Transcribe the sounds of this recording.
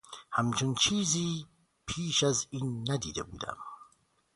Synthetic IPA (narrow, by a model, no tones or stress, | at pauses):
hæmt͡ʃʰont͡ʃʰiːziː | pʰiːʃæziːnːæd̪ḭːd̪ebṵːd̪æ̰m